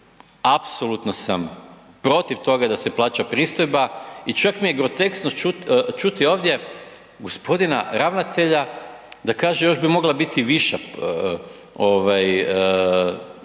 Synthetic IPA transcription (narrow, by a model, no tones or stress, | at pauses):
apsolut̪nosam | pɾo̞t̪iʋt̪o̞ɡad̪ase̞plˠaːt͡ʃapɾiːst̪o̞jbait͡ʃakmije̞ɡɾo̞t̪e̞ksnout͡ʃut̪io̞ːʋd̪ʲje̞ | ɡo̞spo̞d̪ina̰ɾaʋnat̪e̞ʎa | d̪akaːʒejo̞ʒbimo̞ɡlabit̪iʋiʃa | oʋaj